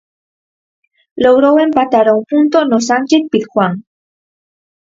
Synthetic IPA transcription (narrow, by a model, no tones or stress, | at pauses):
loɣ̞ɾowempat̪aɾaumpunt̪onosant͡ʃet̪̚pit̪xwaŋ